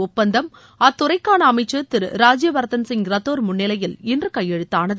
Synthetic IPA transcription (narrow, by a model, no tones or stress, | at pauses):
ʊpːɐnd̪ɐm | ɐt̪ːʊɾɐɪkːaːnɐɐmɐɪt͡ʃːɐt̪ɪɾɾaːd͡ʒjɐʋɐɾt̪ɐnsɪŋɡɾɐt̪ːoːɾmʊnːɪlɐjɪlɪndrɯkɐjːɛɻɯt̪ːaːnɐð